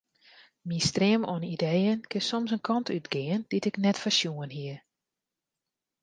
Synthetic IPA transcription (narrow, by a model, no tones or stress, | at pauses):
mistrɪəmɔnidejənkʰɪnsomsənkʰɑntʰytɡɪənd̥itɪknɛtfəsjuənɦiə